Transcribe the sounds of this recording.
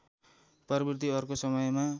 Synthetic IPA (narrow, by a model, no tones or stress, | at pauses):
pʌɾbirt̪iʌrkosʌmʌjma